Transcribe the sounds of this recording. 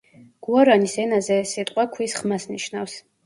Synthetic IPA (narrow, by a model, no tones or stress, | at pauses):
ɡ̥uaɾanisɛnazɛsit̪ʼqʼwakʰwisχmasniʃnafs